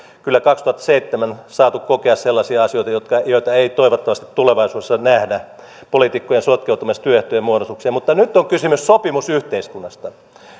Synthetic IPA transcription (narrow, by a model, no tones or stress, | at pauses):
kylːækɑkst̪uhɑt̪ːseit̪ːemænsɑːt̪ukkokeɑsselːɑsiɑɑsioit̪ɑjot̪kɑjoit̪ɑeit̪oiʋot̪ːɑʋɑst̪i̥t̪tuleʋɑisuːesːɑnæhdæ | polit̪ikːojensot̪keut̪umest̪yøeht̪ojemuoɾosuksiɑmut̪ːɑnyt̪ːoŋkysymyssopimusyht̪eiskunːɑst̪ɑ